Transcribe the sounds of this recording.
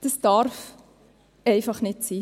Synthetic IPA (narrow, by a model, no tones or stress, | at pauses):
d̥əsd̥ɑɾf | ɛɪfɑχnɪtsiː